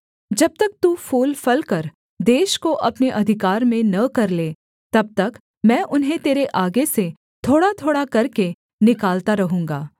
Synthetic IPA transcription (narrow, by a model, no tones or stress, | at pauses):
d͡ʒɐb̚t̪ɐk̚t̪ufuːlfɐlkɐɾ | d̪eːʃkoʔɐpneʔɐd̪ʱɪkaːɾmẽnɐkɐɾleː | t̪ɐb̚t̪ɐk | mɛ̃ːʔʊnɦẽt̪eːɾeʔaːɡese | t̪ʰoːɽat̪ʰoːɽakɐɾke | nɪkaːlt̪aɾɐɦũːŋɡaː